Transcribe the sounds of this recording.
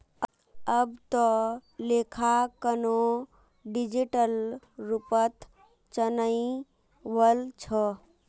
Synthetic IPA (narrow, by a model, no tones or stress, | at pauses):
əbt̪ɔlekʰakəno | ɖid͡ʒiʈəl | ɾupət̪ | t͡ʃənəi | bəlt͡ʃʰə